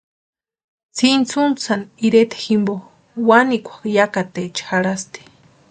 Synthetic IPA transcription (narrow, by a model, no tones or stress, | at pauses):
t͡sʰint͡sʰunt͡saniɾet̪ʰe̥ximbo | wanikʷḁkjakat̪et͡ʃxaɾast̪i̥